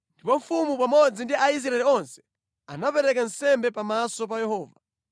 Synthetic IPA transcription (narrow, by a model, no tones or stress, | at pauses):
ndipɔɱfumupamɔd͡zindiʔais̬ɾaɛliɔnsɛ̥ | anapɛɾɛkansɛmbɛpamasɔp̬ajɛɦɔːva